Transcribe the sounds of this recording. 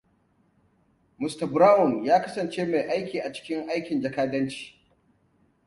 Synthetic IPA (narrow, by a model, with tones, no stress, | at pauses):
mʊ˨stɐ˨bɾaː˦wʊ˨njaː˦kɐ˦sɐ˨nt͡ʃeː˦ma˨jʔa˦jkʲiː˨ʔa˨t͡ʃɪ̥˦kʲɪ˦ŋʔa˦jkʲɪ˨nd͡ʒɐ˨kaː˦dɐ˦nt͡ʃi̥ː˨